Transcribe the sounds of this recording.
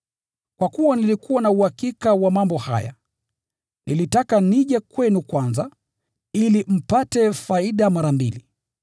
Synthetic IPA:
kwakuwanilikuwanauhakikawamambɔha̰ja̰ | nilitakaniʄɛkwɛnukwanza | ilim̩patɛfaiɗamaɾambḭli

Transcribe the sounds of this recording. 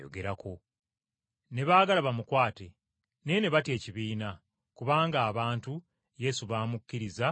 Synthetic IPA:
jo̰ɡe̞ɾako̞ | ne̞βaːɡalaβamukwaːte̞ | ne̞ne̞βatje̞ːciβiːna | kuβaːŋɡaːβaːntu | je̞suβaːmukːiɾiza

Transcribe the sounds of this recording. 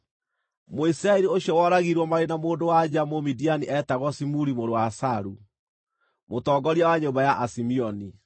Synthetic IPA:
moisiɾaeɾioɕjɔwɔːɾaɣiɾwɔmaɾenamoːndowad͡ʒamomidianiʔɛtaɣwɔsimuɾimoɾowasaɾu | motɔːɡɔɾjawaɲombajaʔasimiɔni

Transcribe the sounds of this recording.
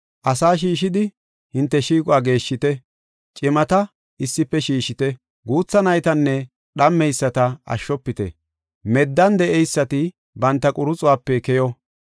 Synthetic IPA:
ʔɐsaːʃ̬iːʃɪd̪ɪ | hɪnt̪ːɛʃiːkʼʊaːɡe̞ːʃːɪt̪ɛ | t͡ʃʼɪmɐt̪ɐ | ɪsːɪpːɛʃiːʃɪt̪ɛ | ɡuːt͡sːɐnɐjt̪ɐnːɛ | ɗɐmːɛjsːɐt̪ɐɐ̰ʃːɔpːɪt̪ɛ̰ | mɛd̪ːɐnd̪ɛʔɛjsːɐt̪ɪ | bɐnt̪ːɐkʼʊɾʊt͡sʼʊwaːpːɛkɛjɔ

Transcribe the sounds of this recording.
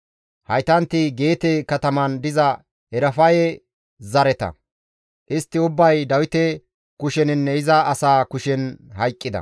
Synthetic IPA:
hɐjt̪ɐnt̪ːɪɡe̞ːt̪ekɐt̪ɐmɐnd̪ɪzɐ | hɛɾɐfɐjɛ | zɐɾɛt̪ɐ̰ | ʔɪst̪ːɪʊbːɐjd̪ɐwɪt̪ɛ | kʊʃɛnɪnːɛɪzɐʔɐsaːkʊʃɛnɦɐjkʼːɪd̪ɐ̰

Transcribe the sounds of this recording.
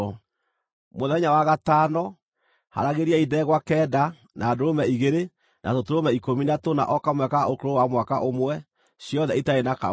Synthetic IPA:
moðɛɲawaɣatanɔ | ha̰ɾaɣeɾiaidɛɣwakɛːda | nʔadoɾomɛiɣeɾe | nʔatotoɾomɛikominatona̰ʔɔkamwɛkaokoɾowamwaka̰ʔomwɛ | ɕjɔðɛitaenaka̰

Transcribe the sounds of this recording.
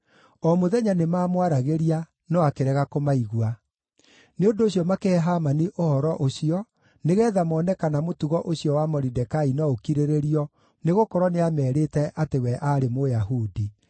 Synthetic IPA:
ɔmoðɛɲanemaːmwaɾaɣeɾia | nɔakeɾɛɣakomaiɣwa | neondoɕjɔmakeɦamaniʔohɔɾɔʔoɕiɔ | neɣɛːðamɔːnɛkanamotuɣɔʔoɕijɔwamɔɾidɛkainɔokiɾeɾeɾiɔ | neɣokɔɾɔneamɛːɾetɛʔatewɛʔaɾemojahudi

